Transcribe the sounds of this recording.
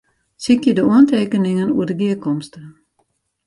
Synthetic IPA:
sɪkidəɔnt̪ʰeːkənɪŋənṵədəɡiəkɔmst̪ə

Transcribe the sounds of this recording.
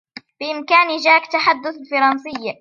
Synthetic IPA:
bɪʔɪmkaːnid͡ʒaːkt̪aħad̪ːʊθfɑɾˤɑnsɪjːa

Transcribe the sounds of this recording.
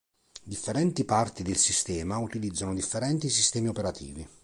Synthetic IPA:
d̪ifːeɾɛnt̪ipart̪id̪elsist̪ɛːmaut̪ilid̪zːanʊd̪ifːeɾɛnt̪is̬ist̪ɛːmiopeɾat̪ʰḭːvi

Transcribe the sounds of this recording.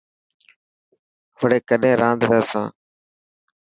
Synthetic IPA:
ʋəɽeːkəɗẽːɾãːnd̪ɾaːsãː

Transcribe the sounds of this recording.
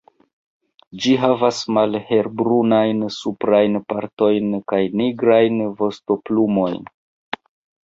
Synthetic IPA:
d͡ʒiɦavasmalhe̞ɾbɾunajnsupɾajnpaɾto̞jnkajniɡɾajnvo̞sto̞plumo̞jn

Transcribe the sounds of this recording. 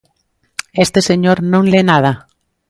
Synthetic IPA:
est̪eseɲoɾnõŋlenað̞a

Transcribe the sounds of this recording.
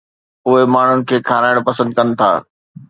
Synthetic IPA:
ʊɦemaːɳ̤ʊnɪ̆kʰeːkʰaːɾaːɪɽ̃pɐsə̃nd̪̚kɐnɪ̆t̪ʰa̰ː

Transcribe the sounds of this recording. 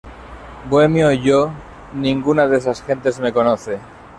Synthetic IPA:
bwemjoʝo | nĩŋɡunaðesasxẽ̞nt̪e̞zme̞ko̞noθe̞

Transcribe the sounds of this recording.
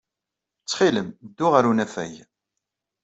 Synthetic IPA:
t͡sːχiləmd̪ːʊʁaɾunæfæ̰j

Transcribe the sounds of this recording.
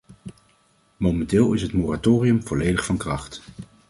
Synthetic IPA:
momɛntɪːlˠɪsɦətmoːratoːriɵmvɔlejdəχfɑnkrɑχt

